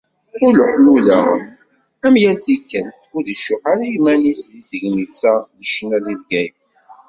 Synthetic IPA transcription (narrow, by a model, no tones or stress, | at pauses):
ʊɾləħluðə̰ʁ | æmjælθikːəl | ʊɾðiʃʊħaɾajmænisðizəʝmit͡sːæðəʃənælivɡæjf